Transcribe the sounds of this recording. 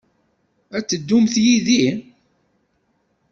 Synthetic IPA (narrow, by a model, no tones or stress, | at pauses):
æt͡sːəd̪ːumθjiði